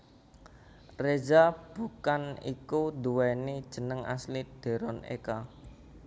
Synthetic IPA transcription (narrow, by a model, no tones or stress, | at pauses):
rezab̥ṳkanḭkud̪uwɛnid̥ʒ̥ə̤nəŋa̰slid̪̥e̤ɾɔnḛka